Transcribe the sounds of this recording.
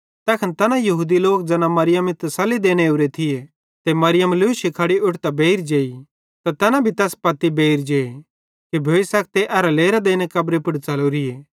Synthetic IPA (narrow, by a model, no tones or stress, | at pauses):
t̪ɛːkʰɐnt̪ɛnãjɐɦuːd̪iloːk̚d͡zɐːnãmɐɾɪjəmɪt̪sɐlːid̪eːñeʊɾet̪ʰɪje | t̪emɐɾɪjəmlʊʃikʰɐɽiʔʊʈʰt̪abeːɪɾd͡ʒeːi | t̪at̪ɛːnãbʱit̪ɛːspɐt̪ːibeːiɾd͡ʒeː | kibʱeːisɐk̚t̪eʔɐɾaleːɾad̪eːnekɐbɾepʊɽt͡sɐloɾɪeː